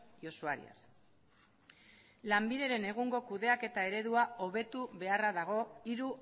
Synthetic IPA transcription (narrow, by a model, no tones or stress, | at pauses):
ʝo̞suaɾḭa̰s | lambiðe̞ɾe̞ne̞ɣ̞uŋɡo̞kuðe̞ake̞t̪ae̞ɾe̞ðuao̞βe̞t̪uβe̞araðaɣ̞o̞iɾu